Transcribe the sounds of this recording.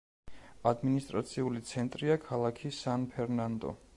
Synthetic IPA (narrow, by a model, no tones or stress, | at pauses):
ad̪minist̪ʼɾat̪sʰiulit̪sʰɛnt̪ʼɾiakʰalˠakʰisanpʰɛɾnand̪ɔ̰